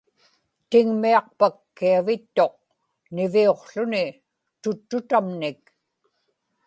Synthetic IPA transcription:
t̪ɪŋmiɑq̚pakːiavɪt̪ːo̞q̚ | nɪvio̞qɬʊnɪ | t̪ʊt̪ːʊt̪amnɪk

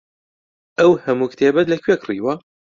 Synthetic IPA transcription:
ʔɐwhɐmuːkt̪ʰeːbɐt̪lɐkʰɥekʰrḭːwɐ

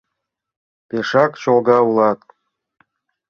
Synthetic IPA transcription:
peʃɑkt͡ɕolˠɡɑulˠɑt̪

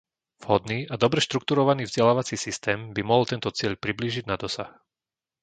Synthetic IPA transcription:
v̥ɦɔd̪niːad̪ɔbɾɛʃt̪ɾukt̪uɾɔʋaniːvzɟɛlaːʋat͡sisist̪ɛːmbimɔɦɔlt̪ɛnt̪ɔt͡sɪɛʎpɾibliːʒiɟnad̪ɔsa̰x

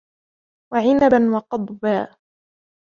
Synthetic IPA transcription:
waʕɪnabanwɑqɑd̪ˤbaː

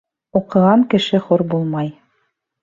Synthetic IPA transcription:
uqɤ̆ʁɑŋkɘ̆ʃɘχuɾbulˠmɑj

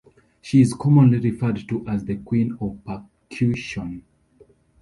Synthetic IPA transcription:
ʃiːzkʰɔmɔ̃nliɹifɛ˞d̚tuʔazðəkw̥ĩnɔvpa | kʰjuʃɔ̃n

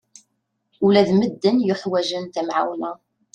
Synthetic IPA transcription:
ulæðməd̪ːənjəħwæʒənt̪æmʕa̰wnæ

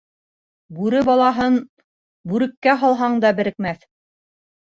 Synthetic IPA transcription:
bʉɾɘbɑlˠɑɦɤn | bʉɾɘ̆kːæɦɑlˠɦɑɴd̪ɑbɘ̆ɾɘ̆kmæθ

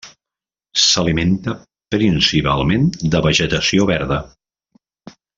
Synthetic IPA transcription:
səliment̪ə | pɾinsipalˠmend̪əβəʒət̪əsioβɛɾðə

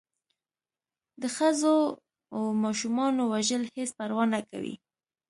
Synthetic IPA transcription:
d̪əxəzo | awmɑʃumɑnowaʒəlhespaɾwɑnːaka̰wḭ

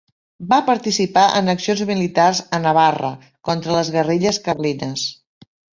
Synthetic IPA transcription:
bapəɾt̪isipaʔənəksionzmilit̪arzənəβarə̰ | kɔnt̪ɾələzɣəriʎəskərlinəs

